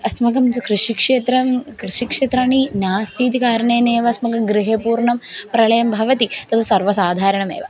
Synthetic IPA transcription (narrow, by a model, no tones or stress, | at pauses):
ɐsmɐkɐmkɾiʂikʂeːt̪ɾɐmkɾiʂikʂeːt̪ɾaːɳinaːst̪ʰiːt̪ikaːɾɐɳeːneːʋɐsmɐkɐmɡɾiɦepuːɾɳɐmpɾɐɭɐjɐmbʱɐʋɐt̪it̪ɐt̪ʰɐsɐɾʋɐsaːd̪ʱaːɾɐɳɐmḛːʋɐ